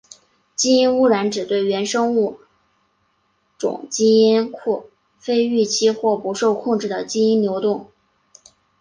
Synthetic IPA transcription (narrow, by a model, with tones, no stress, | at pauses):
t͡ɕi˥i˥nu˥˩ɻa˧˥nʈ͡ʂɻ̩˨˩t̪we˥˩ɪɥɛ˧˥nʂɤ˥ŋu˥˩ | ʈ͡ʂʊ̰˨˩˦ŋt͡ɕi˥i˥nkʰu˥˩ | fe˥ɪy˥˩t͡ɕʰi˥xwɔ˥˩pu˧˥ʂo˥˧ʊkʰʊ˥˧ŋʈ͡ʂɻ̩˥˩d̪ə˩t͡ɕi˥i˥nnjo˧˥ʊt̪ʊ˥˩ŋ